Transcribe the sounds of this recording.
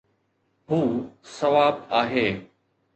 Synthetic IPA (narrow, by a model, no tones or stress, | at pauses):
ɦuːsɐʋaːbaːɦeː